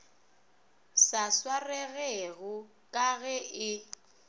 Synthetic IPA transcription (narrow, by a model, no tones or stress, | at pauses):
saswarɛɣɛɣʊ | kʼaɣɛʔɪ